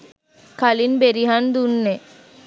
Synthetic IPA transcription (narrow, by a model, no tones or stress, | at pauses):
kʰalinbeɾiɦand̪unːe